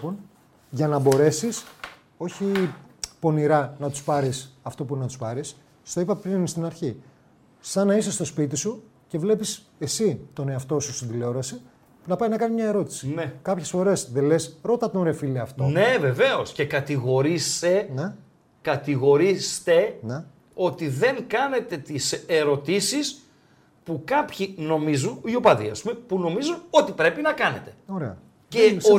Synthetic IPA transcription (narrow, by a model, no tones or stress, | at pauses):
pon | ʝɐnɐbo̞ɾe̞sis | o̞çipo̞niɾɐnɐt̪u̥spɐɾisɐft̪o̞puinnɐt̪u̥spɐɾis | st̪oipɐpɾinnist̪inɐɾçi | sɐnɐisest̪o̞spit̪isu | ce̞vle̞pis | e̞sit̪o̞ne̞ɐft̪o̞sust̪ind̪ileo̞ɾɐse | nɐpɐjnɐkɐnizmɲɐe̞ɾo̞t̪i̥sinekɐpçe̞sfo̞ɾe̞sðe̞le̞sɾo̞t̪ɐt̪onɾefileɐft̪one̞ve̞ve̞o̞sce̞kɐt̪iɣo̞ɾise̞ne | kɐt̪iɣo̞ɾist̪e̞ne | o̞t̪iðe̞ŋkɐne̞t̪e̞t̪iseɾo̞t̪isis | pukɐpçino̞mizunio̞pɐðḭɐ̰spumepuno̞mizuno̞t̪ipɾe̞pinɐkɐnet̪e̞̥o̞ɾe̞̰ɐ̰ | es